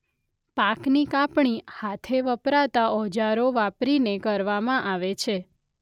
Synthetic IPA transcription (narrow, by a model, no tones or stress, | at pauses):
paknikapɳ̃ihat̪ʰeʋəpɾat̪aɔd͡ʒaɾoʋapɾinekəɾʋamãʔaʋet͡ʃʰe